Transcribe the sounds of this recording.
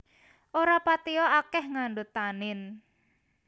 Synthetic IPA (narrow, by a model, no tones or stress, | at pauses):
ʔoɾapat̪iɔakɛhŋaɳɖot̪anɪn